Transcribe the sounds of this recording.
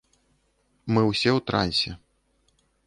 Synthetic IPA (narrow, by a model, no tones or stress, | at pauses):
mɨwsʲɛwt̪ɾa̰nʲsʲɛ